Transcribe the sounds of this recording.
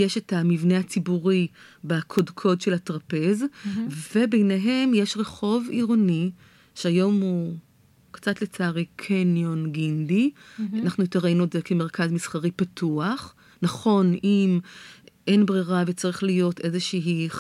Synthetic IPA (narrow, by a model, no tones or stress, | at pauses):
jeʃetamivneat͡sibuʁibakʰodkʰo̞dʃelhatʁape̞zve̞bejneɦe̞mjeʃʁe̞χo̞viʁoni | ʃeajo̞mu | kt͡satle̞t͡saːʁekʰenjonɡindianaχnuitaʁinudzekeme̞ʁkazmisχaʁipatʰuaχ | naχo̞nimʔenbʁiʁavet͡saʁiχlijo̞te̞zeʃiɦi